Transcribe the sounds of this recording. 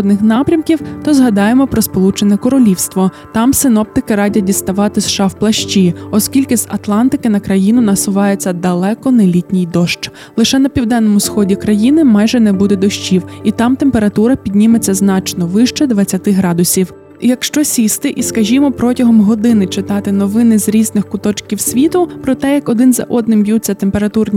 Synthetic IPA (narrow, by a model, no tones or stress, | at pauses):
d̪nɪxnɑpɾʲɐmkʲiwt̪ɔzɦɐd̪ɑjemɔpɾɔspɔlˠut͡ʃenʲɛkɔɾɔlʲiwst̪ʋɔ | t̪ɑmsɪnɔp̚t̪ɪkɪɾɑdʲɐt̚ʲdʲist̪ɐʋɑt̪ɪsʃɑwplˠɐʃt͡ʃʲiɔskʲilʲkɪzɐt̪lˠɑnt̪ɪkɪnɐkɾɐjinʊnɐsʊʋɑjet͡sʲːɐd̪ɐlˠɛkɔnɐlʲitʲnʲijd̪ɔʃt͡ʃ | lˠɪʃɛnɐpʲiwd̪ɛnːɔmʊsxɔdʲikɾɐjinɪmɑjʒɛnɛbud̪ɛd̪ɔʃt͡ʃiwit̪ɑmt̪empe̞ɾɐt̪uɾɐpʲid̪ʲnʲimet͡sʲːɐznɑt͡ʃnɔʋɪʃt͡ʃɛd̪ʋɐt͡sʲːɐt̪ɪɦɾɑd̪ʊsʲiw | jɐkʃt͡ʃɔsʲist̪ɪʔiskɐʒʲimɔpɾɔtʲɐɦɔmɦɔd̪ɪnɪt͡ʃɪt̪ɑt̪ɪnɔʋɪnɪzɾʲiznɪxkʊt̪ɔt͡ʃkʲiwsʲʋʲit̪ʊpɾɔt̪ɛjɐkɔd̪ɪnzɐ̰ʔɔd̪nɪmbjut͡sʲːɐt̪empeɾɐt̪urnʲ